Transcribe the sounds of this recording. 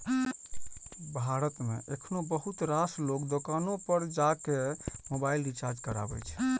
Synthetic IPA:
bʱaɾət̪mḛʔekʰnobəɦut̪ɾaslokd̪okanopəɾd͡ʒakemobailɖit͡ʃaɾd͡ʒkəɾa̰bɛ̰jt͡ʃʰɛ̥

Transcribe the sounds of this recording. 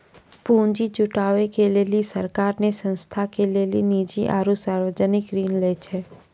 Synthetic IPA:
pũnd͡ʒit͡ʃuʈaʋekelelisəɾkaɾnesə̃nst̪ʰakelelinid͡ʒḭʔa̰ɾusaɾʋəd͡ʒənɪkɾiːnlet͡ʃʰe

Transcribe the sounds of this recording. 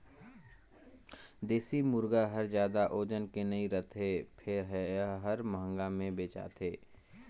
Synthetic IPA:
d̪eːsimʊɾɡaɦɐɾzjaːd̪aʔoːd͡ʒənkenɐiɾət̪ʰepʰɪɾɦɦəɾməɦə̃ŋɡamẽbeːt͡ʃa̰ːt̪ʰeː

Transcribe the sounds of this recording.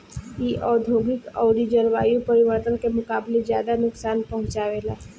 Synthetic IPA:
iʔɔːd̪ʱoːɡɪkɔ̰ːd̪id͡ʒəɾʋaːjũpəɾɪʋəɾt̪ənkemʊkaːblezjaːd̪anʊksaːnpɐɦʊ̃t͡ʃaːʋeːlaː

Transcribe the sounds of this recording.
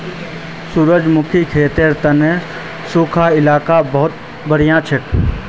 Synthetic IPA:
suɾəd͡ʒmʊkʰikʰeːt̪eɾt̪əne | suːkʰaɪlaːkabəɦʊt̪̚ | bəɽ̤ijãt͡ʃʰɪk

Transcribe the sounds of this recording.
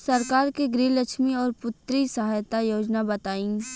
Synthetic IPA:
sɐɾkaːɾkiɡɾiːləkʃmiɔːɾpʊt̪ɾisɐɦaːjt̪ajoːd͡ʒnabɐt̪aːĩː

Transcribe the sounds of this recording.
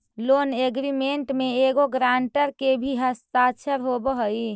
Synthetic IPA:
loːneɡɾimeɳʈmeeɡoɡɾaɳʈəɾkebʱiɦəst̪at͡ʃʰəɾɦobəɦəi

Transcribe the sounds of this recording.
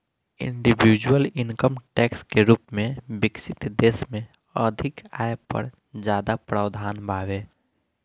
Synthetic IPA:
ɪ̰̃ɳɖibid͡ʒwəlɪŋkəmʈɛːkskeɾuːpmẽbɪksɪt̪d̪eːsmẽ | əd̪ʱɪkaːjpə̰ɾ | d͡ʒjaːd̪apɾaːwd̪ʱaːnbʱaːʋeː

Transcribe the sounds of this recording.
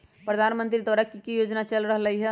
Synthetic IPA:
pɾəd̪ʱanmə̃nt̪ɾid̪aɾəkːikijoːd͡ʒnat͡ʃəlɾəɦləɦiɦɛ

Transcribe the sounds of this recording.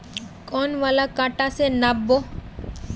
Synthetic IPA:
kɔːnʋaːlakaːʈasenabːo

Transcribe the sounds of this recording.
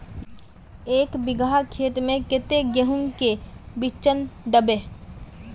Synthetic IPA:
eːkbɪɡʱakʰeːt̪mẽkɪt̪eɡeɦʊnkebɪt͡ʃənd̪əbe

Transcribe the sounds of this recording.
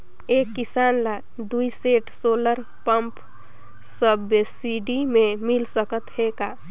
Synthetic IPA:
ekːisanla | d̪uiseʈʰsoləɾ | pəmp | səbːesiɖimemilsəkət̪heka

